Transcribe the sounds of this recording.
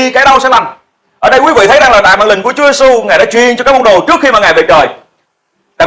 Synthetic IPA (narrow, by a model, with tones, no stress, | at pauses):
kaː˨˦jɗə˧wsɛ̰˧˥la˨˩m | ʔəː˧˩ɗə˧jkwi˨˦vḭ˧˨t̪ʰə˦jza˨˩ŋlaː˨˩ɓa̰ː˧˨jɓaː˧˨nlï˨˩ŋ̟ku˧˩ət͡ɕu˨˦ze˧su˧ŋaː˨˩jɗa̰ː˧˥t͡ɕwḭ˨˧˨ənt͡ɕɔ˧kaː˦˥k̚mə˧ŋ͡mɗo˨˩t͡ɕɨ˦˥ək̚xi˧maː˨˩ŋaː˨˩jve˨˩t͡ɕəː˨˩j | ɗaː˧˨